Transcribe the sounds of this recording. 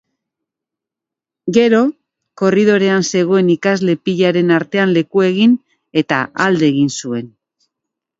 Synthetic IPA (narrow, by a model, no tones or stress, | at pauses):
ɡe̞ɾo̞ | ko̞riðo̞ɾe̞anse̞ɣ̞o̞e̞nikazle̞piʎaɾe̞naɾt̪e̞anle̞kue̞ɣin | e̞t̪a̰ʔald̪e̞ːɣinsue̞n